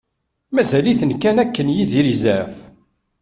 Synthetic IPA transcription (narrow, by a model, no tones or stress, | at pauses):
mæzæliθənkænækːənjiðiɾizæf